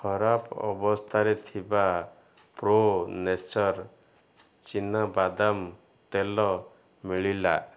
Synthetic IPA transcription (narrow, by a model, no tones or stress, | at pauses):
kʰɔɾapɔ̰bɔst̪ʰaɾet̪ʰiba | pɾonesɔɾ | t͡ʃinabad̪am | t̪elɔ | miɭila̰